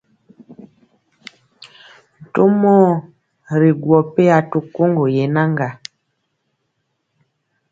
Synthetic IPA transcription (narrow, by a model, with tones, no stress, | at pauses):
n̩˨to˦mɔː˦ | ɾe˨ɡwɔ˨pe˦a˨to˨ko˦ŋɡo˨jɛ˨na˦ŋɡa˨